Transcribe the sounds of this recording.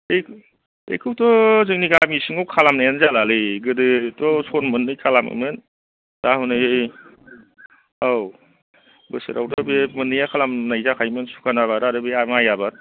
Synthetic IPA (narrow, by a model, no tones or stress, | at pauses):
e | ḛkʰɯwtɔzɯŋniɡamisiŋawkʰalamnajanzalalɯɡɯdɯtɔsonmɯnːɯjkʰalamɯ̰men | d̥ahunɯe | aw | bɯsḛɾʔawdɔbemɯnːijakʰalamnajzakʰajmɯnsu̥kʰanaβaɾaɾɯbiamajabat